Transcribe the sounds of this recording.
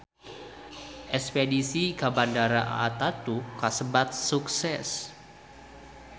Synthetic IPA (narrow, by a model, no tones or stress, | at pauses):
ʔɛspedisikabandaɾaʔa̰ːt̪at̪ukasəbat̪̚suksɛs